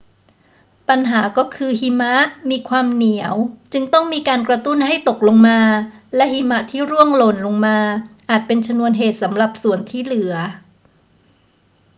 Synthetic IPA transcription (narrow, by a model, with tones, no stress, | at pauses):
pa˧nɦaː˩˦kɔː˥˩kʰɯː˧hi˧˥ma˦˥ʔmiː˧kʰwaː˧mni˨˩˦əwt͡ɕɯ˧ŋt̪ɔ˥˩ŋmiː˧kaː˧nkɾa˧t̪u˥˩nɦa˥˩jt̪o˨˩k̚lo˧ŋmaː˧lɛ˦˥ʔhi˧ma˦˥ʔt̪ʰiː˥˩ɾu˥˩əŋlo˨˩nlo˧ŋmaː˧ʔaː˨˩t̪̚pe˧nt͡ɕʰa˧mnu˧ənɦeː˨˩t̪̚sa˩˦mɾa˨˩p̚su˨˩ənt̪ʰiː˥˩lɯ˩˦ɐ